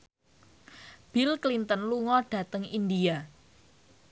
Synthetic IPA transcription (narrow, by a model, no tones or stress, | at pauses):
b̥ilklint̪ənluŋɔɖ̥ä̤t̪əŋind̪ia